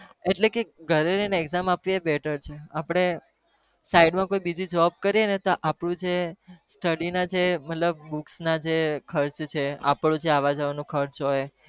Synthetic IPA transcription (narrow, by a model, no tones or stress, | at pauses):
eʈlekeɡʱəɾeɾəjneːɡzamapʋiebɛʈəɾt͡ʃʰeapɽ̃e | saiɖmãkoibid͡ʒid͡ʒɔb̚kəɾienet̪oʔapɽũd͡ʒesʈəɽinad͡ʒemət̪ləb̚ːuksnad͡ʒekʰəɾt͡ʃt͡ʃʰea̰pɳũd͡ʒeaʋad͡ʒaʋanũkʰəɾt͡ʃɦoj